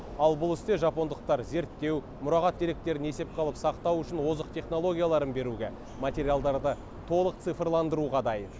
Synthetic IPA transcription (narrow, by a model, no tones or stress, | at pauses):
ɑlˠbʊlˠɪst̪e̞ʒɑpo̞nd̪əq̚t̪ɑɾze̞ɾt̪ːe̞w | mʊɾɑʁɑt̪̚d̪e̞ɾe̞k̚t̪e̞ɾɪne̞se̞p̚qʰɑlˠəpsɑqt̪ɑwʏʃɪnwo̞zəq̚t̪ʰe̞χno̞lˠo̞ɡʲijalˠɑɾənbe̞ɾuɡʲe | mat̪ʲe̞ɾijalˠd̪ɑɾd̪ə | t̪ʰo̞lˠəq̚t̪sɨfrlˠɑnd̪əɾuʁɑd̪ɑjən